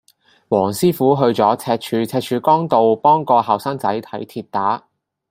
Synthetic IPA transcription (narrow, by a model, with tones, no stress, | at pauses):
wɔː˨˩ŋsiː˥fuː˨˥ɦɵ˧ɥt͡sɔː˨˥t͡sʰɛː˧t̚t͡ʃʰyː˨˧t͡sʰɛː˧t̚t͡ʃʰyː˨˧kɔː˥ŋt̪o˨wpɔː˥ŋkɔː˧hɐ˨wsaː˥ŋt͡sɐ˨˥jt̪ʰɐ˨˥jt̪ʰiː˧t̚t̪aː˨˥